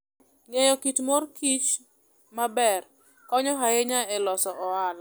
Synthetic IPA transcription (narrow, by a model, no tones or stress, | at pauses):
ŋejɔkitmorkit͡ʃ | mabɛr | kɔɲɔɦaeɲaɛlɔsɔʔɔal